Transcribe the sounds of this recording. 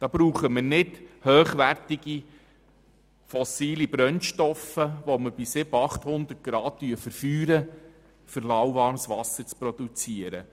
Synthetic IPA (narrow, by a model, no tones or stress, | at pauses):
d̥ɑːb̥ɾuːχəmənɪdhøːχʋærtiɡ̥i | fɔsiːlibɾœnʃtɔfəʋoməɾb̥isɪbəɑχthʊnd̪ərt̚ɡ̥ɾɑːt̚tyəfəɾfyːɾə | fʏɾlɑwʋɑɾmsʋɑsəɾt͡spɾɔd̪ut͡siəɾə